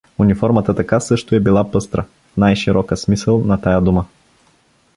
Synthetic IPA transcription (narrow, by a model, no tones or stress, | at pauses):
unifɔɾmət̪ət̪ɐkasɤʃt̪ʊɛbilˠapɤst̪ɾə | najʃiɾʔɔkəsmisəlˠnɐt̪ajəd̪umə